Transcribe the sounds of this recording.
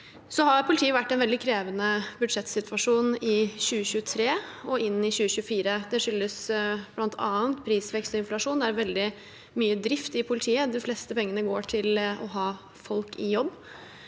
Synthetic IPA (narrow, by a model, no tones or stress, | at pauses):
sɔhɑɾpʰʊlt̪ʰiːəʋæʈːɛnʋɛld̪ɪkʰɾeːʋənəbʉd̪ʂɛt̪sɪt̪ʋɑʂuːnɪɕʉːəɕʉːət̪ʰɾeːɔʔɪnːɪɕʉːəɕʉːəfiːɾəd̪ɛʂʏlːəsb̥lɑnt̪ʰɑːənt̪pʰɾiːsʋɛkst̪ɔɪnflɑʂuːnd̪ɛææɾʋɛld̪ɪ | myːəd̪ɾɪft̪ɪpʰʊlɪt̪ʰiːəd̪ɪfleːst̪əpɛŋːənəɡoːʈʰɪlɔ̰ɦɑː | fɔlkɪjɔbː